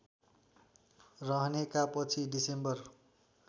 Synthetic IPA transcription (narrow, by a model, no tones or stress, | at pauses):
rʌɦnekapʌt͡sʰiɖisembʌr